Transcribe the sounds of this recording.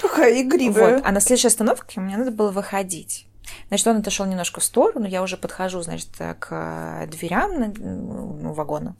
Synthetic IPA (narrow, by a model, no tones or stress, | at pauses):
pɐxajɪɡɾʲivot̪ɐ̰nɐslʲd̪ʊʂjɐst̪ɐno̞fkʲɪʊmʲɪnʲenad̪əbɨlˠəvɨxɐdʲitʲ | zat͡ɕɪ̥t̪o̞nɛt̪ɐʂolˠnʲɪmno̞ʂkəfst̪o̞ɾʊnujaʊʐɛpət̪xɐʐuzna̰t͡ɕɪ̥t̪ə̰kʰə̰d̪vʲɪɾʲam | nṵvɐɡo̞nə̰